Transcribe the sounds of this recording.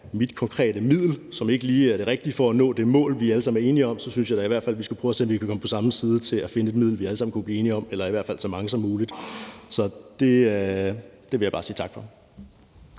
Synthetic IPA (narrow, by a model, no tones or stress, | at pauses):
mid̥kʰɒ̽ŋkʰʁɛ̰ːd̥əmið̰ˠl̩sɒ̽me̝ɡ̥əliːæɐɾ̥e̝ʁɛɡ̥̚d̥ifɒ̽ænɔ̰ːd̥e̝mɔ̰̽ːlʋiæləsɑ̈m̩æɐe̝ːniɒ̽msɒ̽synsɕjɑ̈d̥æiʋæɐ̰̥fæl̰ʋisɡ̥upʰʁuɒsenʋikʰækʰɒ̽məpʰɒsɑ̈m̩siːð̞ˠt͡sʰe̝læfe̝nəe̝d̥̚mið̰ˠl̩ʋiæləsɑ̈m̰n̩kubliːe̝ːniɒ̽melɐiʋæɐ̰dfæl̰sɒ̽mɑ̈ŋəsɒ̽mːuːlid̥sɒ̽d̥e̝ | d̥e̝ʋejḁ̈ɑ̈ːsiːt͡sʰɑ̈ɡ̥fɒ̽